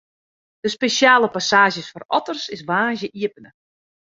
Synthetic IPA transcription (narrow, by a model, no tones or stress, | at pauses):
d̥əspesjaːləpasaːʒjəsfɔrɔtərsɪsʋaːnʒjəʔiəpənə